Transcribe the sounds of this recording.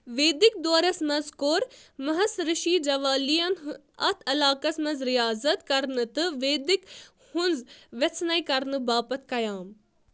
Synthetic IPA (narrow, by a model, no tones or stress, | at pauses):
ʋeːd̪ik̚d̪oːɾɐsmɐ̃nzkoːɾmɐɦɐsɾɨʃiːd͡ʒɐʋaːlijɐn | ɐ̰t̪ʰɐlaːkɐsmɐ̃nzɾijaːzɐt̪kɐɾnɨt̪ɨʋeːd̪ik | hʊnzʋet͡sʰnɐikɐɾnɨbaːpɐt̪̚ʰkɐjaːm